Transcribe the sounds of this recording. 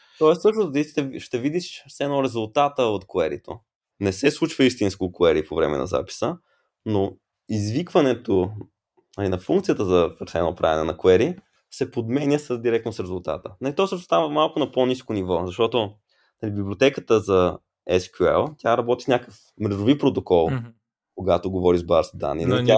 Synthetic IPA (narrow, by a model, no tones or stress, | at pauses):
t̪ɔɛssɤʃt̪ʊzt̪it̪ɛʃt̪ɛvid̪iʃsɛnoɾɛzʊlˠt̪at̪əot̪kʊɛɾḭt̪o̰ | nɛsɛslˠut͡ʃvəist̪inskokoɛɾipovɾɛ̰mɛ̰nɐ̰za̰pi̥sə | no | izvikvɐnɛt̪o | nɐlinɐfuŋkt̪sijət̪əzɐvɾsɛnopɾʔa̰vɛ̰nɛnɐkʊɛɾi | sɛpod̪mɛnʲəsəd̪iɾɛk̚t̪nosɾɛzʊlˠt̪a̰t̪ənɐlit̪ɔsɤʃnost̪avəmalˠkʊnɐponiskonivɔzɐʃt̪ɔt̪o | nɐlibibliot̪ɛkət̪əzɐ | ɛskʲuɛ̰lˠt̪ʲaɾɐbɔt̪i̥fnʲakəf | mɾɛʒovipɾot̪okɔlˠ | koɡat̪oɡovɔɾizbaɾsd̪a̰nːḭnɐit̪ʲa